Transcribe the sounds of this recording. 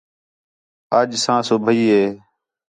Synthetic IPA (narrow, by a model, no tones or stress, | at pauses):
əd͡ʒsãːsoːbʱəiːɦeː